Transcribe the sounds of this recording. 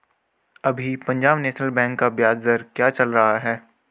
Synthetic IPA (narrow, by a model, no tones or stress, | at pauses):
ɐbʱipɐ̃ɲd͡ʒaːbnɛːʃnəlbɛ̃ːŋkːabjaːd̪d̪əɾkjaːt͡ʃɐlɾɐɦaɦɛː